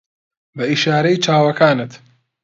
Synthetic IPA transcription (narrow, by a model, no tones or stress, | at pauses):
bɐiʃaːɾɐjit͡ʃʰaːwɐkʰaːnɨt̪